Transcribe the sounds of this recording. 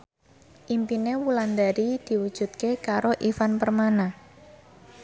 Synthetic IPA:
ʔimpinewuland̪aɾid̪̥i̤wud̥ʒ̥ṳt̪̚kekaɾoʔifanpərmana

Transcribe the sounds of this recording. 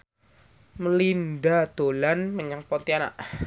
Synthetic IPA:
məlindad̪̥olanməɲaŋpont̪iana̰ʔ

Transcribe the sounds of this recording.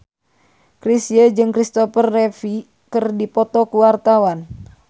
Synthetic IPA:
kɾisiəd͡ʒɨŋkɾist̪ɔpərːɛfi | kɨrdipɔt̪ɔkuwart̪awan

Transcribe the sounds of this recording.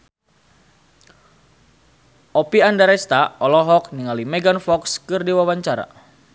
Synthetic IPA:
ʔɔpiandaɾɛst̪aɔlɔɦɔk̚niŋalimɛɡanfɔkskɨrdiwawaɲt͡ʃaɾa̰

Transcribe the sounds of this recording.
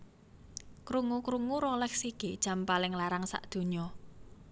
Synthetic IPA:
kɾuŋukɾuŋuɾɔlɛksiked̥ʒ̥a̤mpalɪŋlaɾaŋsa̰ʔd̪̥ṳɲɔ

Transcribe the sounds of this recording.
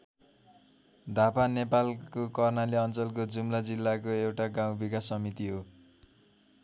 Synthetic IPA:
d̪ʱapanepalkokʌrnaleʌnt͡sʌlkod͡zumlad͡zilːakoewʈaɡãw̃bikasʌmit̪iɦo

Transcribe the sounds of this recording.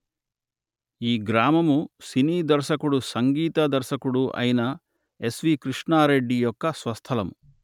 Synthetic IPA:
iːɡɾaːmɐmusiniːd̪ɐɾʃɐkuɽusɐŋɡiːt̪ɐd̪ɐɾʃɐkuɽuʔɐ̰jinɐ | e̞sʋiːkɾiʂɳaːɾe̞ɖːijɔkːɐsʋɐst̪ʰɐlɐmu

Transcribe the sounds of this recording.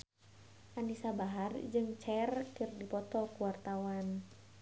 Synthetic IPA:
ʔanisabaɦard͡ʒɨŋt͡ʃɛrkərdipɔt̪ɔkuwart̪awan

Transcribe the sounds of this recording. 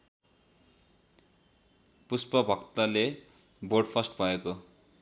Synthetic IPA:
puspʌbʱʌkt̪ale | bʱoɖpʰʌsʈbʱʌeko

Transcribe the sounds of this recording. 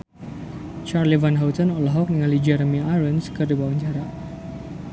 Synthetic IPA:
t͡ʃarlivanɦawt̪ɔnɔlaɦɔk̚niŋalid͡ʒɛɾəmiaɾənskɨrdibawaɲt͡ʃaɾa

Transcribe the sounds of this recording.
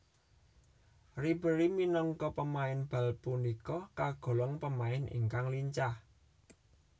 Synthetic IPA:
ribəɾiminɔŋkɔpəmaɪnb̥a̤lpunikɔkaɡ̥ɔ̤lɔŋpəmaɪnḭŋkaŋliɲt͡ʃah

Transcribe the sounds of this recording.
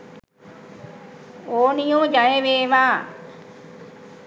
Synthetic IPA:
oːnijõːd͡ʒajeʋeːʋaː

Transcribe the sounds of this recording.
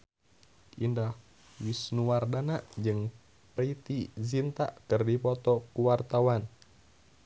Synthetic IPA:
ʔindah | wisnuwardanaʔd͡ʒɨŋ | pɾəit̪izint̪a̰ʔkɨrdipɔt̪ɔkuwart̪awan

